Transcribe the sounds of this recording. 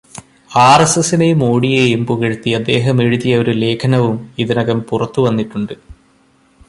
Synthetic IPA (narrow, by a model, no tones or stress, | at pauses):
aːresesinemoːɽijejumbuɣeɻut̪ːiɐd̪ːe̞ːɦɐme̞ɻuðijɐo̞ɾule̞ːkʰɐnɐʋumiðinɐɣɐmpurɐt̪ːuʋɐnːiʈːuɳɖɨ